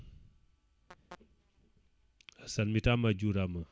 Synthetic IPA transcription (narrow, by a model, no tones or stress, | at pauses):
asalmitamad͡ʒuɾamə